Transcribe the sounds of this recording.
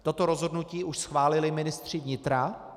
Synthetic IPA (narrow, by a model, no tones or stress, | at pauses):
t̪o̞t̪oɾozɦodnuciːʔuʃsxvaːlɪlɪmɪnɪst̪r̝̥ɪvɲɪt̪ɾa